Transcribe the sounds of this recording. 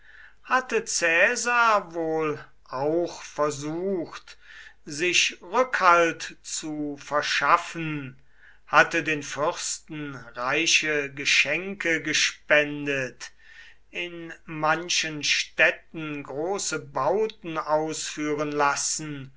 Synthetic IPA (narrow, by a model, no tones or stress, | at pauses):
hatət͡sɛːzaɐvoːl | ʔaʊxfɛɐzuːxtzɪçʁʏkhaltt͡sufɛɐʃafən | hatədeːnfʏʁstn̩ʁaɪʃəɡəʃɛŋkəɡəʃpɛndət | ʔɪnmanʃənʃtɛtn̩ɡʁoːsəbaʊtn̩aʊsfyːʁənlasn̩